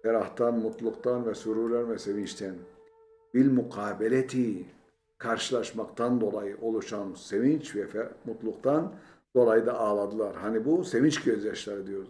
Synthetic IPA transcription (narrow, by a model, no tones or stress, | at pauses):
t̪ʰɛɾaht̪ʰanmut̪ʰlˠuqt̪anvɛsyɾuɾlʲɛnvɛse̞vint͡ʃt̪ʰɛn | biɾmuqʰaːbelʲet̪ʰi | kʰaɾʃɯlˠaʃmakt̪ʰand̪o̞lˠajɯʔo̞lˠuʃamse̞vint͡ʃvɛfɛmut̪lˠuk̚t̪ʰan | d̪̥o̞lˠajɯd̪aːlˠad̪ɯlˠaɾhanibuse̞vint͡ʃɟøzjaʃlˠaɾɯd̪ijo̞ɾuz